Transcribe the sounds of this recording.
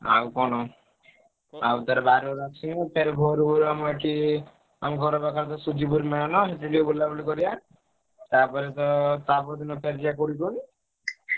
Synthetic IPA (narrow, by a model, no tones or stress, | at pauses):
a̰wkɔɽ̃ɔ | awt̪aɾɔbaɾuɾakʰsʰinpʰeɾbʱoɾubɔɾuamɔeʈʰi | a̰mɡʱɔɾɔbakaɾt̪ɔsud͡ʒibuɾmeɭanɔɦeʈiɖiobulːabulikɔɾija | t̪apɔɾet̪ɔt̪apɔɾd̪inɔpʰeɾd͡ʒiakoɽikoɽi